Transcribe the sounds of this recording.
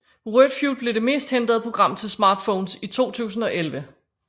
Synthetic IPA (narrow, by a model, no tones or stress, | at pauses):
ʁød̥fjulble̝ɾ̥e̝me̝̰ːsd̥hend̥ʁɐð̩ˠpʰʁo̝ɡ̥ʁɑ̈m̰t͡sʰe̝lsmɑ̈ːd̥fɔːnsit͡sʰo̝̰ːt͡sʰṵːsn̩ɒ̽ʔelʋə